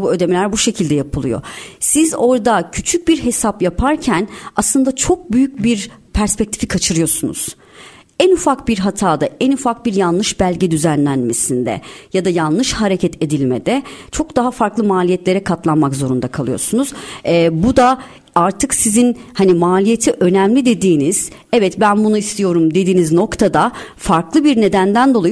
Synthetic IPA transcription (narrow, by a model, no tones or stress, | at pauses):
buø̞d̪emilʲæɾbuʃe̞cʰilʲd̪ɛjapʰɯlˠɯjo̞̰sizo̞ɾd̪acʰyt͡ʃʰyc̚biɾɦe̞sapjapʰaɾcʰænaslˠɯnd̪at͡ʃʰo̞k̚byjyc̚biɾpʰæɾspɛc̚t̪ʰi̥fikʰat͡ʃʰɯɾɯjo̞sunṵz̥ | ænufakbiɾɦat̪ʰaːd̪aʔænufak̚biɾjanlˠɯʃbælʲɟɛd̪yzænlʲænme̞sind̪ɛ̰jad̪ajanˠlˠɯʃhaɾe̞cʰɛt̪ʰe̞d̪ilʲmḛd̪ɛt͡ʃʰo̞kd̪aɦafaɾklˠɯmaːlʲijɛt̪lʲe̞ɾɛkʰat̪lˠanmakzo̞ɾund̪akʰalˠɯjo̰sunuz̥ɛbud̪a | aɾt̪ʰɯksizinhanimaːlʲije̞t̪ʰiʔø̞næmlʲid̪e̞d̪iːniz̥ | ɛvɛt̪bænbunuist̪ʰijo̞ɾumd̪e̞d̪iːnizno̞kt̪ʰad̪afaɾklˠɯbiɾne̞d̪ænd̪ænd̪o̞lˠaj